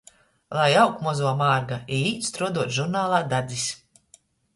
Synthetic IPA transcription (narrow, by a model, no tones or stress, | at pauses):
lˠajawkmɔzuɔmaːɾɡaiiːt̪st̪ɾuɔd̪uɔt̪ʒuɾnaːlˠaːd̪ad̪zis